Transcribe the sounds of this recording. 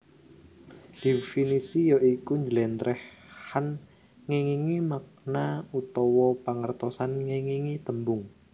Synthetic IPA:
d̪̥ifinisijɔʔikuɲd͡ʒəlɛnt̪ɾʔɛh | han | ŋeŋiŋimak̚naut̪ɔwɔpaŋərt̪ɔsanŋiŋiŋit̪əmbʊŋ

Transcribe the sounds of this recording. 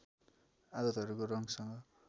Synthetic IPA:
ad̪ʌt̪ɦʌɾukoɾʌŋsʌŋɡʌ

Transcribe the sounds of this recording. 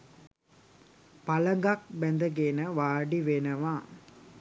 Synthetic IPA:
paləŋɡak̚bɛnd̪əɡenəʋaːɖiʋenəʋaː

